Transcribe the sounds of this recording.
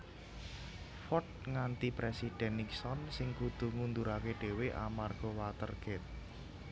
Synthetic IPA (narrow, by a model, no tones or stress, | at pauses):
fɔt̪̚ŋant̪ipɾesid̪̥ɛ̤nːik̚sɔnsɪŋkud̪̥ṳŋund̪uɾakeɖ̥e̤weʔa̰marɡ̥ɔ̤wat̪ə̰rɡ̥ɛt̪̚